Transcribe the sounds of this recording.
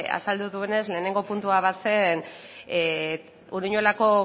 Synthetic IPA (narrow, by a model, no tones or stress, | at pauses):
a̰sald̪uðuene̞sle̞ːne̞ŋɡo̞punt̪uaβase̞n | uɾiɲo̞lako̞